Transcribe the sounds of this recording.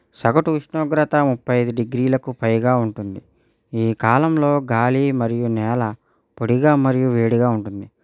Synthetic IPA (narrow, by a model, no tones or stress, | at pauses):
sɐɡɐʈuuʂɳoːɡɾɐt̪ɐmupʰːɐjɐjd̪uɖiɡɾiːlɐkupɐjɡaːuɳʈund̪i | iːkaːlɐmlo̞ːɡaːlimɐɾijunɛːlɐ | poɽiɡaːmɐɾijuʋeːɽiɡaːuɳʈund̪i